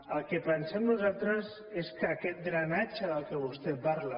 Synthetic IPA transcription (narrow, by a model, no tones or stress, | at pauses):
əlˠkəpənsɛmnuzalˠt̪ɾəz | eskəːkɛt̪̚dɾanat͡ʃəðəlˠkəβust̪ɛpaɾla